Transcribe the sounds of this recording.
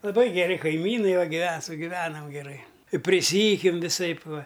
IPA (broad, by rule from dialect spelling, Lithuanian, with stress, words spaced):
lˠɐˈbɐɪ ɡʲɛˈrʲɪ kɐɪˈmʲiːnɐɪ ʋɐ ɡʲɪˈʋʲɛ sʊɡʲɪˈʋʲæːnɐm ɡʲɛˈrɐɪ pʲrʲɪˈsʲiːjʊkʲɛm ʋʲɪˈsɐɪp ˈʋɐ